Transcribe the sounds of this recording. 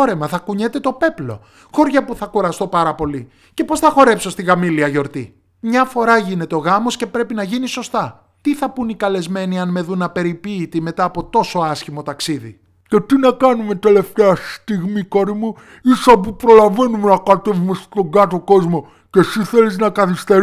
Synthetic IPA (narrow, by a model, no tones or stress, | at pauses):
oɾe̞mɐθɐkuɲe̞t̪e̞t̪o̞pe̞plo̞̰ | xo̞ɾʝɐpuθɐkuɾɐst̪o̞pɐɾɐpo̞li | ce̞po̞sθɐxo̞ɾe̞pso̞st̪iɣɐmiliɐʝo̞ɾt̪ḭ | mɲɐfo̞ɾɐʝine̞t̪e̞o̞ɣɐmo̞sce̞pɾe̞pinɐʝiniso̞st̪ɐ | t̪iθɐpunikɐle̞zme̞niɐnme̞ðunɐpe̞ɾipiːt̪ime̞t̪ɐːpo̞t̪o̞so̞ɐsçimo̞t̪ɐksiðḭ | ce̞t̪inɐkɐnume̞t̪e̞le̞ft̪eɐst̪iɣmiko̞ɾimu | isop̬upɾo̞lɐve̞numenɐkɐt̪e̞vume̞st̪o̞ɡɐt̪o̞ko̞zmo̞ | ce̞siθe̞liznɐkɐθist̪eɾ